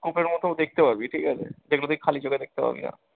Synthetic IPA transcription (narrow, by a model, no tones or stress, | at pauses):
kupeɾmɔt̪ʰod̪ek̚ʰt̪epaɾbiʈʰikɦat͡ɕʰḛd̪eɡlod̪ikʰalid͡ʑoɡed̪ek̚t̪epa̰ɾbḭna̰